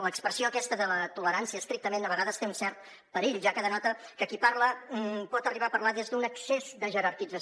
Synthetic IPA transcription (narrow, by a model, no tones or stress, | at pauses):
ləkspɾəsioəkɛst̪əðələt̪uləɾansiəst̪ɾik̚t̪əmend̪əβəɣaðəst̪eunsɛrt̪̚ | pəɾiʎʒakəðənɔt̪əkəkipaɾləpɔt̪əriβapəɾlaðezd̪unəksezd̪əʒəɾəɾkid͡zə